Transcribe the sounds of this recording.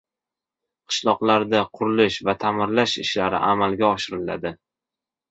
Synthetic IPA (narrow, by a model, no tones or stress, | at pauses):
qʰɨ̥ʃlˠɒqlˠaɾd̪aqʰʊɾɪlɪʃvat̪ʰamɪɾlaʃɪʃlaɾɪ̰ʔamalɡʲaɒʃɪɾɪla̰d̪ɪ